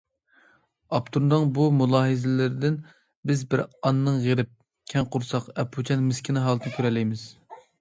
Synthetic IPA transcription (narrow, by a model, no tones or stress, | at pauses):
ɑpt̪ʰuɾd̪ɨŋbumulˠɑːɦɨzɪlɪɾɪd̪ɪn | bɪzbɪɾɑnːɨŋʁeɾɪp̚ | kʲʰɛŋqʰʊɾsɑqɛpʰːut͡ʃʰɛnmɪskʲʰinɨɦɑːlˠɨt̪ʰnɨkʲʰøɾɛlːɪjmɪz̥